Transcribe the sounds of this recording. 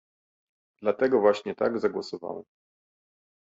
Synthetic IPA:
d̪̥lat̪ɛɡɔvwaɕɲɛt̪a̰ɡzaɡwɔsɔva̰wɛ̰m

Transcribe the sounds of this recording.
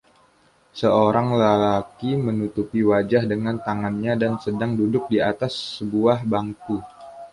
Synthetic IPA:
səoɾaŋlalakimənut̪upiwad͡ʒahdəŋant̪aŋanɲadansədaŋdudʊk̚diat̪asːəbuahbaŋku

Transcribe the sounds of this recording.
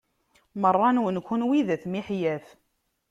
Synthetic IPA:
mərˤːɑnwənkʷːənwiðæθmiħjæf

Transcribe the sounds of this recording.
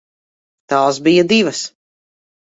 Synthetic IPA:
t̪aːsbijad̪ivɐs

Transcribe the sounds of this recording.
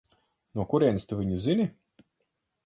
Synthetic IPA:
nuɔkuɾiɛnst̪uvʲiɲuzinʲi

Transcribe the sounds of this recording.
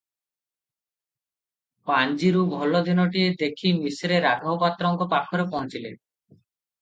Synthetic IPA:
pand͡ʒiɾubʱɔlɔd̪inɔʈied̪ekʰimisɾeɾaɡʱɔɔpat̪ɾɔŋkɔpakʰɔɾepɔɦɔt͡ʃilḛ

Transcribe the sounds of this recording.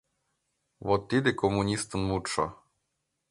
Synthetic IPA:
wɔt̪ːid̪ɪkɔmunʲist̪ɨnmut͡ʂɔ̰

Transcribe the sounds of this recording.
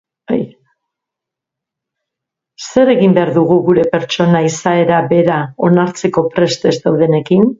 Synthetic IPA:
j | se̞ɾe̞ɣimbe̞aɾðuɣuɣuɾe̞pe̞ɾt͡ʃo̞naisae̞ɾabe̞ɾao̞naɾt͡se̞ko̞pɾe̞st̪e̞zd̪awðe̞ne̞kin

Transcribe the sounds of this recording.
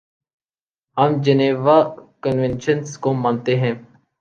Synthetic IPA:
ɦəmd͡ʒəneːʋaːkənʋẽnʃənskoːmaːnt̪eːɦɛ̃ː

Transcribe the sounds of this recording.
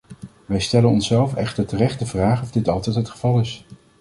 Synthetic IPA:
ʋɛjstɛlənɔnsɛlˠfɛχtəɹtərɛχtdəvraːχɔvdɪtɑlˠtɛjtɦətχəv̥ɑlˠɪs

